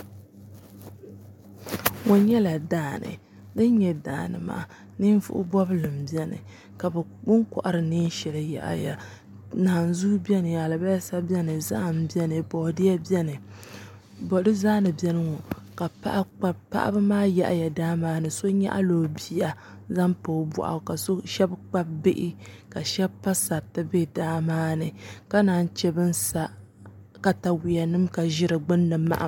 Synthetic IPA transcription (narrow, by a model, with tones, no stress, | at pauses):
ŋo˨ɲɛ˦la˨daː˦˨nɨ̰˨ | dɨ˦n˦ɲɛ˨da̰ː˨nɨ̰˨ma̰ː˨ | nɨ˦n˦vʊ̰˦ʔʊ̰˦bɔ˦bɨ˦lɨ˨mbi˦ɛ˦nɨ̰˨ | ka˨bɛ˨bʊ˦ŋkɔ̰˨ʔa˨ɾɨ˨ni˦n˦ʃɛ˨lɨ˨ja̰˨ʔja̰˨ | naː˨nzu˦bɛ˦nɨ˨ja˨lɨ˨ba˦ja˦sa˦bjɛ˦nɨ˨za̰˦ʔm˦bjɛ˦nɨ˨bɔː˨dɪ˦ɛ˦bjɛ˦nɨ˨ | bɔ˨dɨ˦zaː˦nɨ˨bɛ˦nɨ˦ŋɔ˨ | ka˨pa̰˦ʔa˦k͡pa˦bpa̰˦ʔa̰˦bɨ˦maː˦jɛ̰˨ʔja˨daː˦maː˦nɨ˨so˦ɲa̰˦ʔa̰˦loː˨bi˦ja˨ | za˦mpo˨˦bɔ̰˨ʔa̰˨ka˨so˦ʃɛ˦bk͡pa˦b̚bɪ˦ʔɪ˦ | ka˨ʃɛ˦bpːa˦sa˨tɨ˦be˦˨daː˦maː˦nɨ˨ka˦naː˨˦˨n˦t͡ʃɛ˦bɨ˦nsa˨ | ka˨ta˨wi˨ja˨nɨ˦mka˨ʒɪ˦ɾɨ˨ɡ͡bɨ˦nːɨ˨mːa̰˦ʔa̰˨